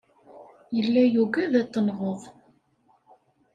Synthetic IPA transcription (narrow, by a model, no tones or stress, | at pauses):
jəlːæjuɡæðæt̪ːənʁoʁ